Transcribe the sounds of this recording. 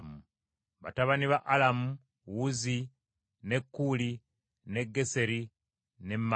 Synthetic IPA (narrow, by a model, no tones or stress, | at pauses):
mu | βa̰taβaniβaʔalamu | wuzi | ne̞kːuli | ne̞ɡːe̞se̞ɾi | ne̞mː